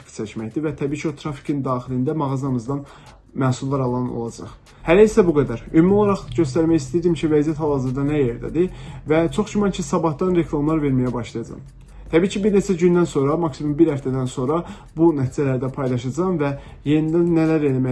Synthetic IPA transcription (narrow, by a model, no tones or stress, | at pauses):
kt͡ʃʰæcmæçd̪ivæt̪ʰæbiːcʰio̞t̪ʰɾɑfi̥kʰind̪ɑːχilind̪æmɑɣɑzɑmɯzd̪ɑn | mæːsulˠːɑɾɑlˠɑno̰lˠɑd͡ʒɑ̰χ | hælæisæbuɡæd̪æɾymmolˠɑɾɑχɟø̞st̪æɾmæjist̪ijɾd̪imcʰivæzijæt̪ʰhɑlˠɑzɯɾd̪ɑnæje̞ɾd̪æ̰d̪ivæt͡ʃʰo̞χd͡ʒymɑncʰisɑbɑhd̪ɑnɾe̞kʰlˠɑmlˠɑɾve̞ɾmæjæbɑʃlˠɑjɑd͡ʒɑ̰m | t̪ʰæbiːcʰibiɾne̞t͡ʃʰæɟynd̪ænso̞nɾɑmɑksimumbiɾhæft̪ʰæd̪ænso̞nɾɑ | bunæt̪ʰiːd͡ʒælæɾd̪æpʰɑjlˠɑʃɑd͡ʒɑmvæ | je̞nid̪ænːælæɾelæmæ